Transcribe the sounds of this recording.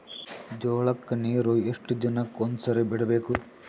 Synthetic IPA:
d͡ʒoːɭɐkːɐniːɾueʂʈud͡ʒ̪ɐnɐkond̪usɐɾebiɽɐbeːku

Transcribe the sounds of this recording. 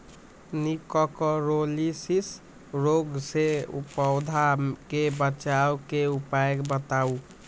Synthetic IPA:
nikɔkɔɾolisis | ɾoɡseṵpɔwd̪ʱakebət͡ʃaukeupaekbət̪au

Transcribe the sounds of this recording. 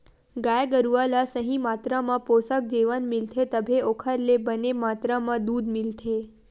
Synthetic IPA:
ɡajɡəɾuʋalasəɦĩmat̪ɾamãposək̚d͡ʒeʋanmilt̪ʰet̪əbʱeokʰəɾlebənemat̪ɾamãd̪ud̪mɪlt̪ʰe

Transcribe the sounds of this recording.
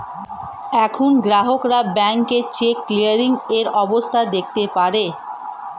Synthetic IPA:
ɛkʰonɡɾaɦokɾabɛŋket͡ɕekːlijaɾiŋeɾɔbost̪ʰad̪ek̚t̪epaɾe

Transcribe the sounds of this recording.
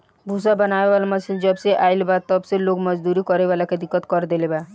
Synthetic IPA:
bʱusabənaebalaməsind͡ʒɔbseʔajlbat̪ɔbselokmɔd͡ʒd̪uɾikɔɾebalaked̪ikːɔt̪kɔɾd̪eleba

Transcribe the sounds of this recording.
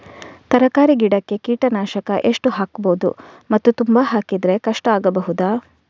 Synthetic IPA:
t̪ɐɾɐkaːɾiɡiɽɐkːe̞kiːʈɐnaːʃɐkɐʔe̞ʂʈuɦaːkboːd̪ṵmɐt̪ːut̪umbaɦaːkid̪ɾe̞kɐʂʈɐaːɡɐbɐɦud̪aː

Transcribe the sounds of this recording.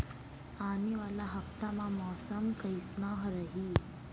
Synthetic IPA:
aːneʋaːlaɦɐft̪amãmɔːsəmkɐisnaːɦɾɐɦiː

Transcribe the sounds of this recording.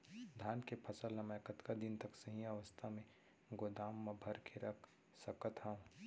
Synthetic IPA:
d̪ʱaːnkepʰɐsəlːɐməkɐt̪kad̪ɪnt̪ɐksɐɦĩɐʋəst̪ʰamẽ | ɡod̪aːmːɐbʱɐɾkʰeɾɐkʰ | sɐkət̪ɦãũ

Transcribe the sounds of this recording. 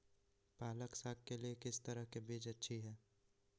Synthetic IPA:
paːləksaːkkeliekɪst̪əɾəɦkebiːd͡ʒɐtːʃʰiɦɛː

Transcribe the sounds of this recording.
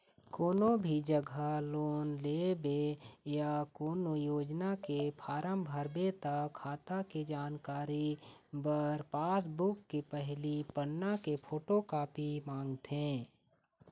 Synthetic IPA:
koːnobʱid͡ʒəɡʱaloːnleːbejakoːnojoːd͡ʒnakepʰaːɾəmbʱəɾbet̪akʰaːt̪aked͡ʒaːnkaːɾibəɾpaːsbʊkːepɛɦlipənːakepʰoːʈokaːpimãːŋɡt̪ʰẽː

